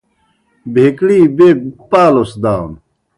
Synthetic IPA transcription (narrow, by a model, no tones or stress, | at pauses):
bʱeːkɽiːbeːpaːlosd̪aːw̰n